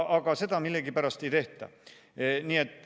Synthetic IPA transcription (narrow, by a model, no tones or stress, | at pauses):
ɑɡ̥ɑse̞d̪ɑmilːeɡipæɾɑst̪e̞jt̪e̞ht̪æ̰ | niːe̞t̪ːˑ